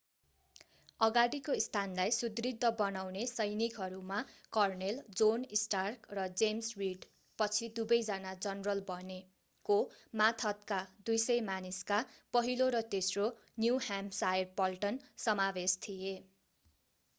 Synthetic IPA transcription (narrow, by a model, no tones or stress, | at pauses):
ʌɡaɽikoist̪ʰanlajsud̪rid̪ʱːʌbʌnawnesʌjnikɦʌɾumakʌrneld͡zonisʈarkrʌd͡zemswiɖ | pʌt͡sʰid̪ubʌjd͡zanad͡zʌnrʌlbʌne | komat̪ʰʌt̪kad̪ujsʌjmaniskapʌɦiloɾʌt̪esro | njuhamsaerpʌlʈʌnsʌmabest̪ʰije